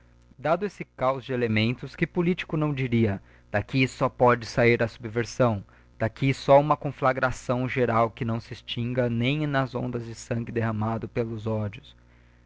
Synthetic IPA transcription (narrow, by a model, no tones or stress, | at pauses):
d̪ad̪ʊesɪkawzd͡ʒɪelemẽnt̪ʊskɪpulit͡ʃi̥kʊnɐ̃w̃d͡ʒiɾiɐ | d̪̥akisɔpɔd͡ʒɪsaiɾɐsubveɾsɐ̃w̃ | d̪̥akisɔũmɐkõflaɡɾasɐ̃w̃ʒeɾawkɪnɐ̃w̃sɪɪst͡ʃĩŋɡɐnẽj̃nɐzõ̰nd̪ɐzd͡ʒɪsɐ̃ŋɡɪd̪eɦɐ̃mad̪ʊpelʊzɔd͡ʒʊs